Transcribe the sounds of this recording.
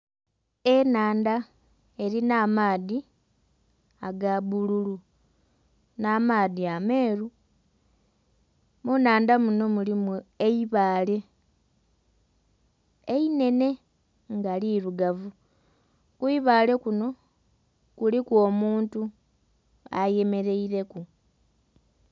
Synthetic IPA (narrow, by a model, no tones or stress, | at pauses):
e̞naːnda | e̞ɾinaːmaːði | aɡaβululu | naːmaːðiame̞ːɾu | munaːndamuno̞mulimueiβaːle̞ | eine̞ne̞ | ŋɡaliɾuɡavu | kuiβaːle̞kuno̞ | kulikwo̞ːmuːntu | a̰je̞me̞ɾe̞iɾe̞ku